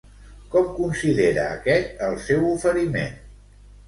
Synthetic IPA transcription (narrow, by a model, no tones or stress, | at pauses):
kɔmkunsiðeɾəːkɛt̪əlˠsɛwufəɾimḛn